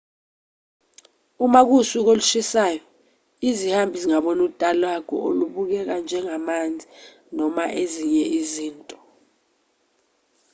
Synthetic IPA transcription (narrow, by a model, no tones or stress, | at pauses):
umak̬usuk̬oluʃisaːjɔ | izihambʱiziŋaɓɔnutʼalwakʰɔ̰oluɓuk̬ɛk̬and͡ʒʱɛŋamand͡zʱi | nɔmaʔeziɲɛʔiziːntʼɔ̥